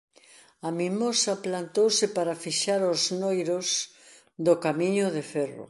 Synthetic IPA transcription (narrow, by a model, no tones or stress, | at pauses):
ɐmimosɐplant̪owsɪpaɾafiʃaɾoznojɾos | d̪ʊkamiɲʊðefɛro̰